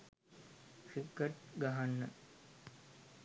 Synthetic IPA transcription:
sikːəʈ̚ɡaɦanːə

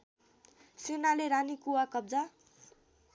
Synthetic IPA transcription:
sinaleɾanikuwakʌb̚d͡za

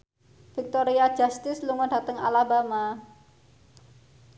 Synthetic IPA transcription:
fik̚t̪oɾiḁd͡ʒ̥a̤st̪ɪsluŋɔɖa̤t̪əŋa̰labama

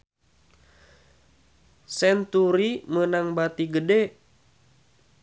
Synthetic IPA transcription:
sɛnt̪uɾimənaŋbat̪iɡədɛ

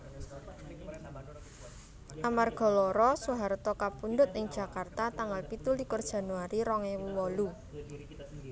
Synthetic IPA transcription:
ʔamarɡ̥ɔ̤lɔɾɔsuɦaɾt̪ɔkapund̪ʊt̪̚ɪŋd̥ʒ̥a̤kart̪at̪aŋalpit̪ulikʊrd̥ʒ̥a̤nuwaɾiɾɔŋɛwuwɔlu

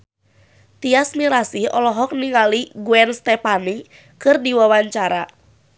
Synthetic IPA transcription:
t̪iasmiɾasiɔlɔɦɔk̚niŋaliɡuɛnst̪ɛpani | kɨrdiwawaɲt͡ʃaɾa

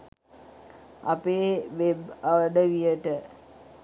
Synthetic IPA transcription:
a̰peːʋebaʋəɖəʋijəʈə

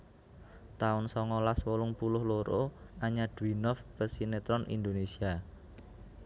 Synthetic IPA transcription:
t̪aʊnsɔŋɔlaswolʊŋpulʊhloɾoaɲad̪̥uinɔfb̥əsinet̪ɾɔnʔḭnd̪onesia

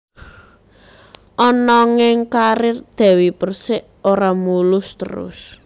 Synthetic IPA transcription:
ʔɔnɔŋɪŋkaɾɪrd̪̥ɛ̤wipərsɪʔ | oɾamulʊst̪ə̰ɾʊ̰s

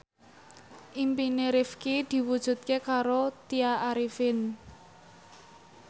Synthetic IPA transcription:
ʔimpineɾifkid̪̥i̤wud̥ʒ̥ṳt̪̚kekaɾot̪iaʔaɾifɪn

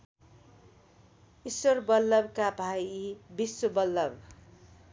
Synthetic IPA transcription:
iswʌrbʌlːʌbkabʱajibisːobʌlːʌb

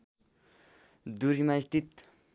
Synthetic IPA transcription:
d̪uɾimast̪it̪

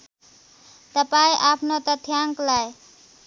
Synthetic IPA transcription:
t̪ʌpaĩʔapʰnot̪ʌt̪ʰjaŋklaj

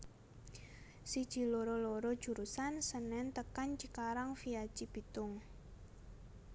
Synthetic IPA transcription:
sid̥ʒ̥i̤loɾɔloɾɔd̥ʒ̥ṳɾusansənɛnt̪əkant͡ʃikaɾaŋfiḁt͡ʃib̥i̤t̪ʊŋ

